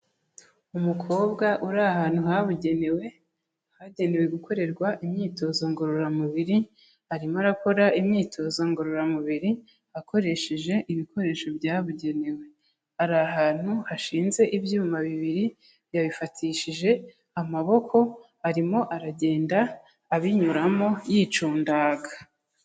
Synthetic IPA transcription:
umukʰo̞ːbɡaʔuɾahaːn̥huɦaβuɟenewe | haɟe̞ne̞we̞ɡuko̞ɾe̞ɾɡwaʔimɲiːto̞zoŋɡo̞ɾoɾamuβiɾi | haɾimoaɾako̞ɾaʔimɲiːtʰo̞zoŋɡo̞ɾoɾamuβiɾi | hako̞ɾe̞ʃeʒe̞ʔiβiko̞ɾe̞ːʃo̞bjaːβuɟe̞ne̞we̞ | aɾaɦaːn̥huhaʃiːnze̞ʔibjuːmaβiβiɾi | jaβifatʰiʃiʒe̞ | amaβo̞kʰo̞ | aɾimo̞ʔaɾaɟe̞ːndaː | βiɲuɾamo̞jiːt͡ʃuːndaɡa

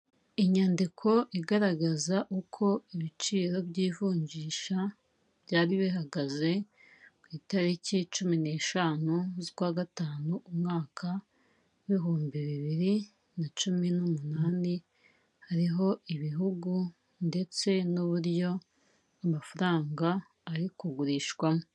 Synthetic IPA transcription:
iɲandikʰo̞ʔiɡaɾaɡazaʔukʰo̞iβit͡ʃiːɾo̞bɟiːvuːɲɟiːʃa | βɟaːɾiβiɦaɡaze̞ | kwiːtaɾicit͡ʃumine̞ːʃaːnuzikwaːɡataːnuumŋaːkʰa | βiɦuːmbiβiβiɾi | nat͡ʃuminumunaːni | haɾiɦo̞iβiɦuɡu | nde̞t͡se̞nuβuɾjo̞ | amafaɾaːŋɡaː | ɾikuɡuɾiːʃwamo

